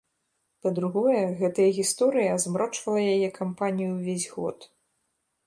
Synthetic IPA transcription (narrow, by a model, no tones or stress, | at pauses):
pɐd̪ɾuɣɔjɛɣɛt̪ɐjɐɣʲist̪ɔɾɨjɐːzmɾɔt͡ʂvɐlˠɐjajɛkʰampanʲijuwvʲezʲɣɔ̰t̪